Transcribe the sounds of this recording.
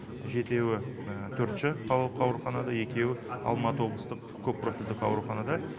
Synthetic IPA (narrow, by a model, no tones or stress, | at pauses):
ʒe̞t̪e̞wɪ | t̪ʰɵɾt̪ʃɪqʰɑlˠp̚qʰɑwɾuχɑnɑd̪ɑje̞kʲe̞wɪɑ̰lˠmɑt̪əwo̞blˠəst̪əq | kʲʰɵppːro̞fʲild̪ɪqɑwɾuχɑnɑd̪ɑ